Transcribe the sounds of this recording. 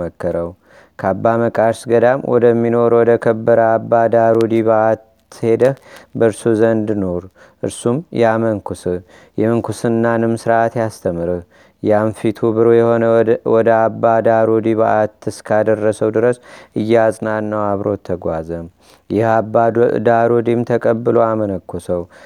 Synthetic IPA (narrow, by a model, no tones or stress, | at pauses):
əkːəɾəw | kʰabːaməkʼaɾsɡəd̪amwʔɔ̰d̪əmːino̞ɾwɔd̪əkʰəbːəɾəabːad̪aɾod̪iβaʔat̪ː | he̞d̪əhbəɾsuzənd̪no̞ɾ | ʔɨ̰ɾsumjɛamənkʰusɨ | jɛmɨŋkʰusɨnːanɨmsɨɾaat̪jast̪ʰəmɨɾɨ | janfit̪ʰubɨɾojɛhonəwɔd̪əabːad̪aɾod̪iβa̰ʔat̪ɨskʰad̪ərːəsəwd̪ɨɾəsʔɨjːɛasʼnanːəwaβɾo̞t̪ʰːəɡʷazəm | jɛhabad̪aɾod̪imt̪ʰəkʼəbːɨlo̞amənəkʰːosəw